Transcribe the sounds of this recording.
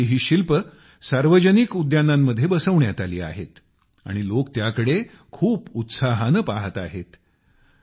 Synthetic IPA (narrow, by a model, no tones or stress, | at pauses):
iɦiːɕilpə | saɾʋəd͡ʑənikud̪janamːəd̪ʱːjebəsəʋɳjat̪alḭːa̰ɦḛt̪ | a̰ɽ̃ilokt̪jakəɽe | kʰuːput̪saɦanəpaɦət̪a̰ɦet̪